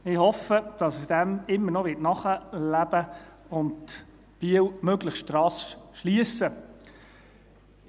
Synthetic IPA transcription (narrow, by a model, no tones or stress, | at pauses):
ɪhɔfəd̥ɑsəsd̥æmɪmːəɾnɔʋɪːtnɑχəlæb̥ə | ʊnd | b̥iːəwmøɡləχʃtɾɑːsʃliəsə